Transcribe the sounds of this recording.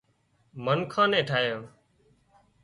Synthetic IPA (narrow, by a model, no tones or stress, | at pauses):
mənkʰãːnẽːʈʰaːjõː